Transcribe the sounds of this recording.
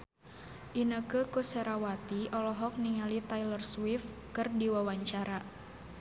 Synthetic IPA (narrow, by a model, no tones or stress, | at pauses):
ʔinəkəkusɛɾawat̪iʔɔlɔɦɔk̚niŋalit̪ajlərswɪfkɨrdiwawaɲt͡ʃaɾa